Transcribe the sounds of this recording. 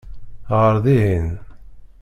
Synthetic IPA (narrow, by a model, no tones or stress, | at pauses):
ʁəɾðiɦin